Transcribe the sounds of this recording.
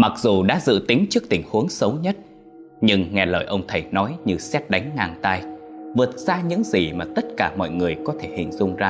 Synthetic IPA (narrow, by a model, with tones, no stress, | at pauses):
ma˨˩k̚zu˨˩ɗa̰ː˧˥zɨ̰˧˨t̪ï˨˦ŋ̟t͡ɕɨ˦˥ək̚t̪ï˧˩ŋ̟hu˨˦əŋsə˨˦wɲə˦˥t̚ | ɲɨ˧ŋŋɛ˨˩ləː˨˩jʔə˧wŋ͡mt̪ʰə˨˩jnɔ˨˦jɲɨ˧sɛ˦˥t̚ɗa˨˦jŋ̟ŋaː˧˩ŋt̪aː˧jvɨ˨˩ət̚z̥aː˧ɲɨ̰˧˥ŋzi˨˩maː˨˩t̪ə˦˥t̚kaː˧˩mɔ̰˧˨jŋɨ˨˩əjkɔ˨˦t̪ʰe˧˩hḭ˧˨ŋzʊ˧ŋ͡mzaː˧